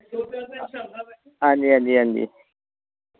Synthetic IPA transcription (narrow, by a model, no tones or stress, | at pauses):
and̪iãnd̪iand̪ḭ